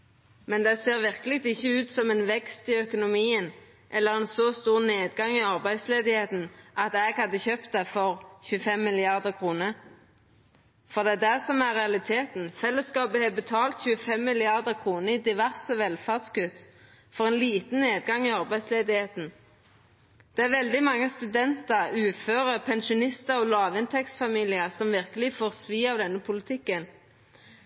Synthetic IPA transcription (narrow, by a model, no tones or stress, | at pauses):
mɛnd̪ɛseːʁʋɪʁkəlɪɡ̚t̪ɪçːəʉːt̪sɔmɛːnʋɛkst̪ɪœkʊnʊmiːən | ʔɛlːəʁeːnsoːst̪uːʁneːd̪ɡɑŋɪɑʁbæɪsleːd̪ɪheːt̪n̩ʔɑt̪ɛɡhɑd̪ːəçøːpt̪̚d̪ɛfɔʁçʉːəfɛmːɪlɪɑʁd̪əʁkʰʁuːnəʁ | fɔd̪ɛæd̪æsɔmæʁɛɑlɪt̪ʰeːt̪nfɛlːəskɑːbəhɛbət̪ʰɑːlt̪çʉːəfɛmːɪlɪɑʁd̪əʁkʰʁuːnəɪd̪ɪʋæʁsəʋɛlfæʁd̪skʉt̪ | fɔʁɛːnliːt̪n̩neːd̪̚ɡɑŋɪɑʁbæɪd̪sleːd̪ɪheːt̪n̩ | d̪̥ɛæʁʋɛld̪ɪmɑŋːəst̪ʉd̪ɛnt̪əʁʉːføːʁəpʰɛnʃʊnɪst̪əʁɔlɑːʋɪnt̪ʰɛktsfɑmiːlɪəsɔmʋɪʁkəlɪfoːʁsʋiːɑʋd̪ɛnːəpʰʊlɪt̪ʰɪkːən